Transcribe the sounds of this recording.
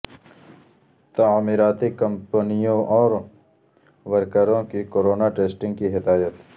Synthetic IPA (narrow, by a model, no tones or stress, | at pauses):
t̪amiɾaːt̪ikɐ̃mpənijõɔːɾ | ʋəɾkəɾõkikoːɾoːnaʈeːsʈɪ̃ŋɡ̚kiɦɪd̪aːjət̪